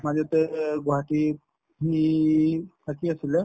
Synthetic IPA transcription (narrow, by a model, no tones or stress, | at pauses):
mazɔt̪ɛɡɔɦati | ɦi | pʰakiasilɛ